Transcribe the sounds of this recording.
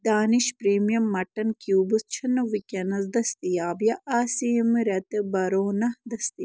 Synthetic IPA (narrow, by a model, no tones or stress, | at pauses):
d̪aːniʃpɾeːmijɐmːɐʈɐnkjuːbust͡ʃʰɐnɐʋikʲenɐzd̪ɐst̪ijaːbjaʔaːsimɾɐt̪ebɐɾoːnɐhd̪ɐst̪i